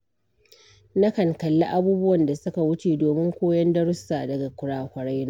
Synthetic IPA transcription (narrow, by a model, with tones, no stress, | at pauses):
na˦kɐ˨ŋkɐ˨lːa̰˦ʔa˦buː˦bʊ˦wɐ˨nda˨sʊ˦ka˨wʊ˦t͡ʃeː˨doː˨mɪ˦ŋkʷoː˦jɐ˦ndɐ˦ɽʊ˦sːaː˨dɐ˨ɡa˨kʷʊ˨ɽaː˦˨kʷɐ˨ɽa˦jnaː˦